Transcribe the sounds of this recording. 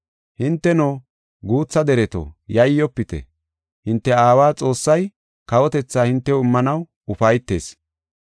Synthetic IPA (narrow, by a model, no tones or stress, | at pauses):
hɪnt̪ːɛnoː | ɡuːt͡sːɐd̪ɛɾɛt̪o̰jɐjːɔpːɪt̪ɛ̰ | hɪnt̪ːɛaːwaːt͡sʼo̞ːsːɐj | kɐwɔt̪ɛt͡sːaːhɪnt̪ːɛwɪmːɐnɐw | ʊfɐjt̪ːe̞ːs